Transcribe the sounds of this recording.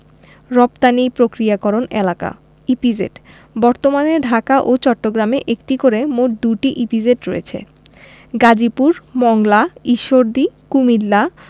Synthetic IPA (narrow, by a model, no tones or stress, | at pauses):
ɾɔp̚t̪anipɾokɾijakɔɾonḛlaka̰ | ipid͡ʑḛʈ | bɔɾt̪omaneɾɖʱakaʔot͡ɕɔʈːoɡɾameʔekʈikoɾemoʈ̚d̪uʈiʔipid͡ʑeʈɾojḛt͡ɕʰḛ | ɡad͡ʑipuɾmɔŋlaiʃːoɾd̪ikumilːa